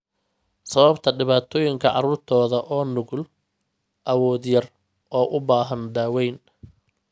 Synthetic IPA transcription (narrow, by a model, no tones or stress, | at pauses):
sɐβɐbt̪ʰɐɖɪβaːt̪ʰɔːjɪŋkʰɐʕɑ̰ɾuːrt̪ʰɔːðɐʔɔːnʊɣl | ʔɐwɔːd̪jɐr | ʔɔːʔʊbaːɦɐnd̪aːwɛjn